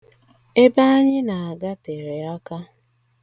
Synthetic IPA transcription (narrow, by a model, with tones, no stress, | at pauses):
e˦ba˦a˦ɲɪ˦na˨a˨ɡa˦te˨ɾe˨a˦ka˦